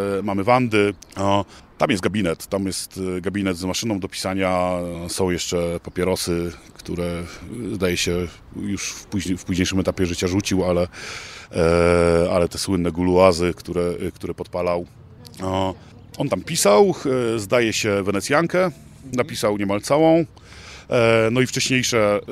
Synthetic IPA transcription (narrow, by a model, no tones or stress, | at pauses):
mamɘvand̪ɘ | t̪amjɛst̪̚ɡabʲinɛt̪ːamjɛst̪ɡabʲinɛd̪zmaʂɘnɔ̃w̃d̪ɔpʲi̥saɲasɔ̃w̃jɛʂt͡ʂɛpapʲɛɾɔsɘkt̪uɾɛzd̪ajɛɕɛ | juʂpuʑfpuʑɲejʂɘɨmɛt̪apʲjɛʐɘt͡ɕaʐut͡ɕiwalɛ | a̰lɛt̪ɛswɘnːɛɡuluazɘkt̪uɾɛkt̪uɾɛpɔt̪̚palaw | ɔnt̪ampʲisawzd̪ajɛɕɛvɛnɛt̪sʲjaŋkɛ | napʲisawɲɛmalt̪sawɔ̃w̃ | nɔift͡ʂɛɕɲejʂɛ